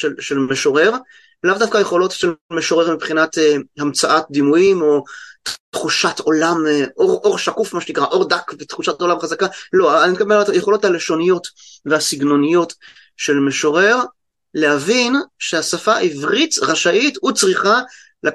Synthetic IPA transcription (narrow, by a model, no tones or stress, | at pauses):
ʃelʃelmeʃo̞ʁe̞ʁ | lavdafkaje̞χo̞lo̞tʃellmeʃo̞ʁe̞ʁmipχinatehamt͡saʔat̚d̪imujimo̞tχuʃatʰo̞lamʔoʁoʁʃakufmaʃenikʁaʔo̞ʁdakvet̪χuʃato̞lamχazakalo̞aanikabetajeχo̞lo̞thale̞ʃo̞nijo̞tvehasiɡno̞nijo̞t | ʃe̞lmeʃo̞ʁe̞ʁ | lehavinʃe̞hasafaʔivʁit͡sʁaʃaʔitut͡sʁiχa | la